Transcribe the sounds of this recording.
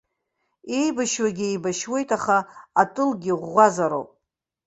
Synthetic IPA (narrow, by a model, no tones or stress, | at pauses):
e̞jbaʃwaɡʲɪejbaʃwe̞jtʼʰaχaːtʼɨlɡʲiʁːʷazaɾo̰wpʼ